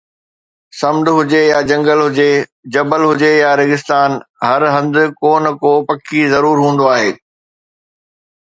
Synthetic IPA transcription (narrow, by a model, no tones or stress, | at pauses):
sɐmd̪ɦʊd͡ʑejad͡ʑɐ̃ŋɡəlɦʊd͡ʑe | d͡ʑɐbəlɦʊd͡ʑejaɾɪɡɪst̪aːnɦɐɾɦɐ̃nd̪ɪ̆koːnə̆koːpɐkʰizɐɾuːɾɦũːn̆d̪oaːɦeː